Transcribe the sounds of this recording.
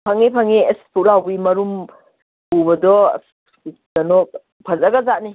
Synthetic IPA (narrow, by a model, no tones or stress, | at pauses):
pʰɐŋepʰɐŋeespʰulawbimɐɾum | pubɐdɔ̰s | dɐnɔk̚ | pʰɐzɐɡɐzaʔni